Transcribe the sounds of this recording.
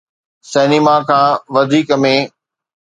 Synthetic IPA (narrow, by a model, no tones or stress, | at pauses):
sɛːnɪmakʰãːʋɐd̪ʱiːkəmẽː